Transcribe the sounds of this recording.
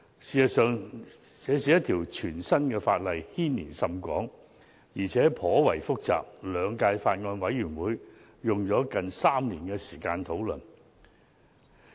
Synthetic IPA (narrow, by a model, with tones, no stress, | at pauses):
siː˨sɐ˨t̚sœː˨ŋsɛː˨˧˥siː˨˥jɐ˥t̪ʰiː˨˩wt͡ʃʰyː˨˩nsɐ˥nkɛː˧faː˧t̚lɐ˨jhiː˥nniː˨˩nsɐ˨mkʷɔː˨˥ŋ | jiː˨˩t͡sʰɛː˨˥pʰɔː˨˥wɐ˨˩jfʊ˥k̚t͡sa̰ː˨p̚lœː˨˧ŋkaː˧jfaː˧t̚ŋɔː˧nwɐ˨˥jjyː˨˩nwuː˨˥j | jʊ˨ŋt͡ʃɔː˨˥kɐ˨nsaː˥mniː˨˩nkɛː˧siː˨˩kaː˧nt̪ʰo˨˥wlɵ˨˩n